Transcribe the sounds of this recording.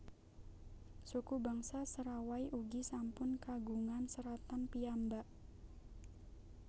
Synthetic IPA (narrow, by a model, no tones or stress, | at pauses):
sukubaŋsasəɾawaiʔuɡisampʊnkaɡuŋansəɾat̪anpiambaʔ